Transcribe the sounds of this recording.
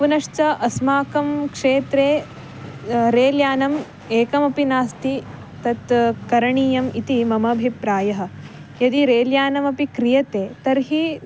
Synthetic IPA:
punɐʂt͡ʃɐʔɐsmaːkɐmkʂeːt̪ɾeː | ɾeːljaːnɐm | eːkɐmɐpinaːst̪i | t̪ɐt̪kɐɾɐɳiːjɐmit̪imɐmɐbʱipɾaːjɐɦɐ̆ | jɐd̪iɾeːljaːnɐmɐpikɾijɐt̪eːt̪ɐɾɦi

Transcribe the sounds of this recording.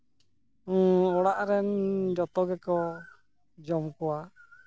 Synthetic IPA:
ɔɽaʔɾɛnd͡ʒɔt̪ɔɡɛkɔ | d͡ʒɔmkɔwa

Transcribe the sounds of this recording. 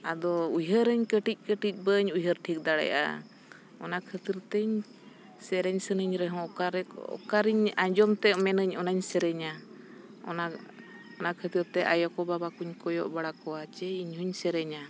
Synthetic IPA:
ad̪ɔujɦəɾəɲkəʈic̚ˀkəʈic̚ˀbəɲujɦəɾʈʰik̚d̪aɽɛ̰jʔa̰ | ɔnakʰət̪iɾt̪ɛɲ | sɛɾɛɲsənəɲɾɛɦɔ̃aɾɛɔ̰kaɾiɲaɲd͡ʒɔmt̪ɛʔmɛnəɲɔnaɲsɛɾɛɲa | ɔ̰na | ɔnakʰət̪iɾt̪ɛʔajɔkɔbabakuɲkɔjɔʔbaɽakɔwat͡ʃɛiɲɦuɲsɛɾɛɲa

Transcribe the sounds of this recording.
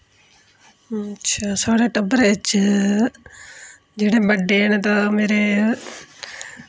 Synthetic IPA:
tːʃʰaːsoːɽeʈɐbəɾeɪt͡ʃ | d͡ʒeːɽebəɖent̪ameːɾe

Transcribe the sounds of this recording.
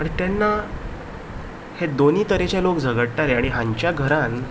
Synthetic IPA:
əɳt̪janːa | hed̪oniːt̪əɾet͡ɕalokd͡zʱəɡəɽʈʈaɾeaɽ̃iɦãɲt͡ɕjaɡʱəɾan

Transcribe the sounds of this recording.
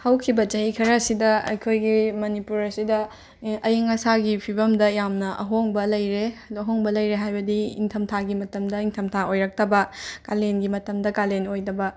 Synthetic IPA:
hɐwkʰibɐt͡ʃɐikʰɐɾɐsidɐɐ̰jkʰojɡimɐnipuɾɐsidɐ | ɐjeŋɐsaɡipʰibɐmdɐjamnɐʔɐ̰ɦoŋbɐlɐjɾeɐɦoŋbɐlɐjɾeɦajbɐdiḭŋtʰɐmtʰaɡimɐtɐmdɐiŋtʰɐmtʰaojɾɐk̚tɐbɐkalenɡimɐtɐmdɐkalenojdɐbɐ

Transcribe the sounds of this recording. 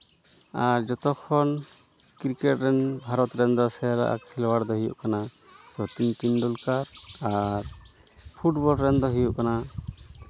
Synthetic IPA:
aɾd͡ʒɔt̪ɔkʰɔn | kiɾkɛʈɾɛnbʱaɾɔt̪ɾɛnd̪ɔsɛjɾa̰ʔa̰kʰːɛlɔwaɽd̪ɔɦijṵʔkana | sɔt̪inʈinɖɔlkaɾaɾ | pʰuʈbɔlɾɛnd̪ɔɦijuʔkana

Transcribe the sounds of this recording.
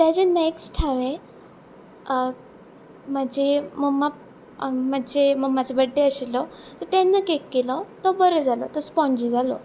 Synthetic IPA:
t̪jat͡ɕeneksʈʰaʋẽ | mad͡ʑeməɡma | mad͡ʑeməɡmad͡zebəɖːeəɕilɔt̪ɔt̪enːəkekːelɔt̪ɔbəɾəd͡zalɔ̰t̪ɔspɔ̃ɲd͡ʑid͡zʱalɔ̰

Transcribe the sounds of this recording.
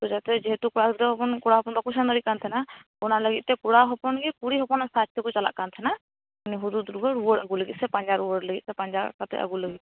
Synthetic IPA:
t̪ɔd͡ʒat̪ɛd͡ʒiɦet̪ukuɽak̪d̪ɔɦɔpɔnkɔɽaɦɔpɔnbakusand̪ɔɾiʔ̚kant̪ʰɛnakɔnaləɡit̪̚ˀt̪ɛkuɽaɦɔpɔnɡɛkuɽiɦɔpɔnasat͡ʃt̪ɛkɔt͡ʃala̰ʔkant̪ʰɛna | ɔniɦud̪ud̪ɾuɡɔɾuwɔɾaɡuləɡit̪̚sɛpaɲd͡ʒaɾuwɔɾləɡit̪̚tɛpaɲd͡ʒakat̪ɛ̰ʔa̰ɡuləɡit̪̚

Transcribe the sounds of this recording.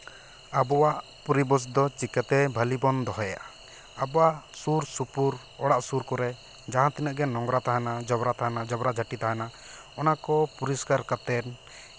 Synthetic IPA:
abɔwaʔpuɾibɔs̬d̪ɔt͡ʃikat̪ɛbʱəlibɔnd̪ɔɦɔja̰ʔa | abɔaʔsuɾsupuɾ | ɔɽaʔsuɾkɔɾɛ | d͡ʒaɦãt̪inəʔɡɛnɔŋɡɾat̪aɦanad͡ʒɔbɾat̪aɦanad͡ʒɔbɾad͡ʒʱaʈit̪aɦana | ɔnakɔpuɾiskaɾkat̪ɛn

